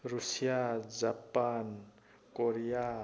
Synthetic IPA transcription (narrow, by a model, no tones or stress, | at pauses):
ɾusijad͡ʒapan | koɾija